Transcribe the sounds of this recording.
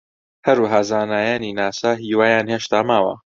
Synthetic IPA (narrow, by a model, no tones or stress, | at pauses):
hɐɾuːɦaːzaːnaːjaːninaːsaːɦiːwaːjaːnheːʃt̪aːmaːwɐ̰